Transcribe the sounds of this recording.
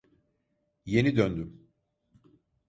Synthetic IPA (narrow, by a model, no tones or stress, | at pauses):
je̞nid̪ønd̪ym